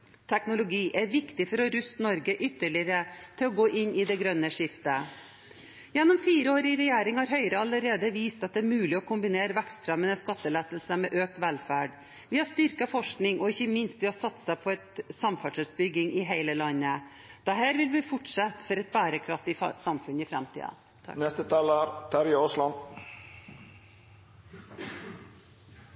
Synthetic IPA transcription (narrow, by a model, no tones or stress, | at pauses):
t̪ʰɛknʊlʊɡiːʔæɾʋɪkt̪ɪfɔɾɔɾʉst̪nɔɾɡəʔʏt̪ːəɭɪəɾət̪ʰɪlɔɡoːʔɪnːɪd̪ɛɡɾœnːəʂɪft̪ə | jɛnːɔmfiːɾəoːɾɪɾɛjeːɾɪŋhɑɾɦœʏɾəɑlːəɾeːd̪əʋiːst̪ɑt̪̚d̪ɛːɾmʉːlɪɔkʰʊmbɪneːɾəʋækst̪fɾɛmənəskɑt̪ːəlɛt̪əlsəmɛʔøːk̚t̪ʋælfæːɖ | ʋɪhɑʂt̪ʏɾkɑfɔʂknɪŋʔɔɪçːəmɪnst̪ʋɪhɑɾsɑt̪ːsæɪpʰɔɛt̪sɑmfæʈʂɛlsbʏɡːɪŋɪɦæɪləlɑnːə | d̪̥ɛɦæːɾʋɪlʋɪfʊʈʂɑt̪ːfɔɾɛt̪̚bæːɾəkʰɾɑft̪ɪsɑmfʉnɪfɾɛ̰mt̪ʰḭːɑ̰ | nɛst̪ət̪ʰɑːləɾt̪ʰæɾjoslɑn